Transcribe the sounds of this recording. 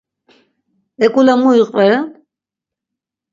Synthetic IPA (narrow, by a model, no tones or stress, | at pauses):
ɛkʼulamuiqʼvɛɾa